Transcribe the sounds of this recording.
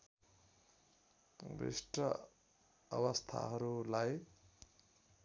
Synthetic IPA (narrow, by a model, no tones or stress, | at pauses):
bḭsʈʌ | ʌ̰wʌst̪ʰa̰ɦʌɾulaj